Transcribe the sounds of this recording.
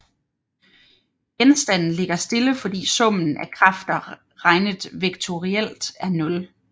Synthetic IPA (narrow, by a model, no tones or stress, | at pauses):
ɡ̥ensd̥æn̰n̩le̝ɡ̥ɐsd̥e̝ləfɒ̽d̥ḭːsɔ̽m̰n̩ækʰʁɑ̈fd̥ɐ | ʁɑ̈ɪnəðˠʋe̝ɡ̥̚t͡sʰo̝ʁiel̰d̥æɐnɔ̽l